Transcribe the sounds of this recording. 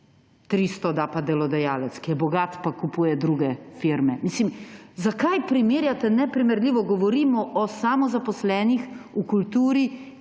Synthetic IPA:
t̪ɾiːst̪ɔd̪apad̪ɛlɔd̪ajaːlɛt̪skijɛbɔɡaːt̪pakupuːjɛd̪ɾuːɡɛfiɾmɛmiːslimzakajpɾimeːɾjat̪ɛnɛpɾimɛɾlʲiːʋɔɡɔʋɔɾiːmɔʔɔsamɔzapɔslɛːnixukult̪uːɾi

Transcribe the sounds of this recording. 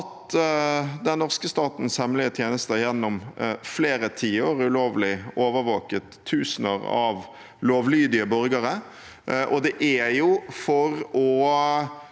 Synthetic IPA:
t̪ | d̪ɛnnɔʁskəst̪ɑːt̪n̩shɛmlɪət̪ʰjeːnəst̪əjɛnːʊmfleːɾət̪ʰiːəoːʁʉloːʋlɪoːʋəɾʋoːkət̪ʰːʉːsnəʁɑ̰ʋ | loːʋlyːd̪ɪəbɔɾɡəʁə | ʔɔd̪ɛʔæjʊfɔɾɔ

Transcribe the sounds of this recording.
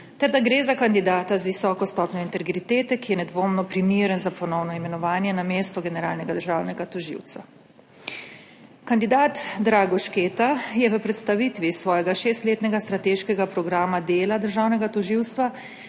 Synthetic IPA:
t̪ɛɾd̪aɡɾeːzakand̪id̪aːt̪azʋisɔːkɔst̪ɔːpnjɔint̪ɛɡɾit̪eːt̪ɛkijɛnɛd̪ʋoːmnɔpɾimiːɾənzapɔnɔwnɔimɛnɔʋaːnjɛnameːst̪ɔɡɛnɛɾaːlnɛɡad̪əɾʒaːwnɛɡat̪ɔʒḭwt̪sa | kand̪id̪aːt̪d̪ɾaːɡɔʃkeːt̪ajɛʋəpɾɛt̪st̪aʋit̪ʋisʋɔːjɛɡaʃeːst̪leːt̪nɛɡast̪ɾat̪eːʃkɛɡapɾɔɡɾaːmad̪eːlad̪əɾʒaːwnɛɡat̪ɔʒiwst̪ʋa

